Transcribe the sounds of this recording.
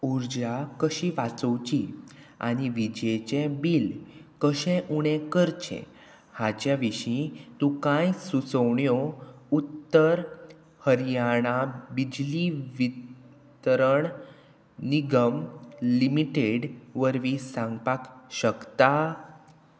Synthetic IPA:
uɾd͡ʑakəɕĩʋat͡səwt͡ɕi | a̰ɽ̃iʋid͡ʑet͡ɕẽbilkəɕɛ̃ʔuɽ̃ẽkəɾt͡ɕʰḛ̃ | hat͡ɕjaʋiɕĩt̪ũkãjsut͡səwɳjout̪ːəɾ | həɾjaɽ̃abid͡ʑliʋit̪ | ɾəɳ | niɡəmlimiʈeɽʋəɾʋisãŋɡpakɕəkt̪a

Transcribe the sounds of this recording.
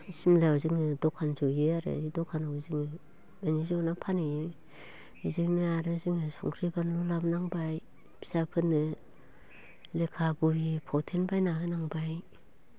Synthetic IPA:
simlaazɯŋɯdɔkʰanzɔjɯaɾɯ̰idɔkʰanawzɯŋɯ | banizɔnapʰanɯ | izɯnɯaɾɯzɯŋɯsɔ̰ŋkʰɾibanlulapmnaŋbaj | bʰi̥sapʰɯnːɯ | lekʰabujipʰɔtʰenbajnaɦɯnaŋbaj

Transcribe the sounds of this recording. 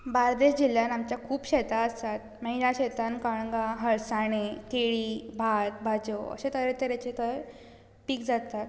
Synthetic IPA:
baɾd̪eɕd͡ʑiljanamt͡ɕjakʰuːpɕet̪aəst̪at̪̚məɦilaɕet̪ankaɽɡaɦəɭsaɽ̃ekeɭiːbʱat̪̚bʱad͡ʑoə̰ɕet̪əɾet̪əɾat͡ɕet̪əɾ | piːkd͡zat̪at̪

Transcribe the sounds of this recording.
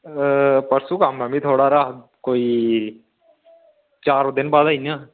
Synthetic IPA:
pɐɾsukaməmit̪ʰoːɽaɾaɦkoːi | t͡ʃaːɾõd̪ɪnbaːd̪aina

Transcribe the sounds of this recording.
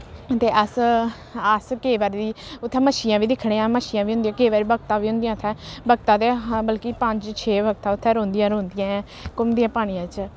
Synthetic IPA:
t̪eːʔəs | əskeːʋaːɾd̪iːʊt̪ʰːɛ̃ːməʃɪjãːʋiːd̪ɪkʰːɽeːãːməʃijãːʋiːɦʊnd̪ĩjãːkeːʋaːɾiːbəɡt̪ãːʋiːɦʊ̃nd̪ijãːʊt̪ʰɛ̃ːbəɡt̪ãːt̪eːbəlkiːpəɲd͡ʒt͡ʃʰeːbəɡ̚t̪ãːʊt̪ʰːɛ̃ːɾõːnd̪ijãːɾõːnd̪ɪjãːɛ̃ː | kʊmd̪ijãːpaːɽ̃ijãːt͡ʃ

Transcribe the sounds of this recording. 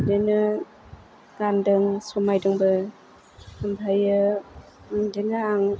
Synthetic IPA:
denɯ | ɡ̥andɯŋsɔmajdɯŋbɯ | ɯmbʰajɯ | denɯaŋ

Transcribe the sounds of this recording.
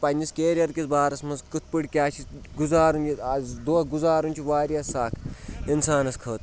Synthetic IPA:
pɐnʲiskeːɾʲiɐɾkisbaːɾɐsmɐnzkɨt̪̚ʰpɨʈʲkʲaːt͡ʃʰiɡuzaːɾunjiad̪oːɡuzaːɾunʲt͡ʃʰiʋaːɾiasaːkʰinsaːnɐskʰɐːt̪̚

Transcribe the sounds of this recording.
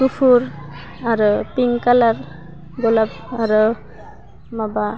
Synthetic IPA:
kupʰuɹ | aɾupiŋkalaɹ | ɡɔlab̚ | aɾu | maba

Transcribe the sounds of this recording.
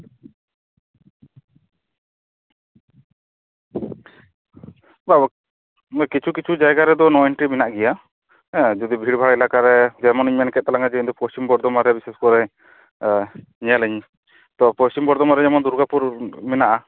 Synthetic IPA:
bab | kit͡ʃʰukit͡ʃʰud͡ʒajɡaɾɛd̪ɔnɔɛɳʈɾimɛnaʔɡɛja | d͡ʒɔd̪ibʱiɽbʱaɽɛlakaɾɛd͡ʒɛmɔniɲmɛnkɛt̪̚t̪alaŋad͡ʒɛind̪ɔpɔst͡ʃimbɔɾd̪ɔmaɾɛbisɛskɔɾɛ | ɲɛjalɛɲ | t̪ɔpɔst͡ʃimbɔɾd̪ɔmaɾɛd͡ʒɛmɔnd̪uɾɡapuɾmɛnaʔa

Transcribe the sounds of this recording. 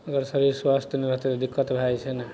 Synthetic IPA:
əɡəɾsəɾiɾswast̪ʰjəneɾəɦt̪et̪d̪ikːət̪bʱajt͡ʃʰene

